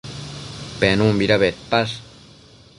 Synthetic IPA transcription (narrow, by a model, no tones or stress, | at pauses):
pɛnumbiɾaβet̪̚pas